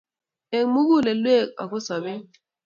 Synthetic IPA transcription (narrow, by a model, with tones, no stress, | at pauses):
e˨ŋmu˦ɣu˦˨le˨lwe˦˨ka̰˨ko˦sa˨be˦